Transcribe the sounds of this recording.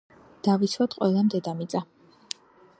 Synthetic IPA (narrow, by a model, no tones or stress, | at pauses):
d̪̥avisʰwat̪qʼwɛlˠamd̪ɛd̪amit̪sʼa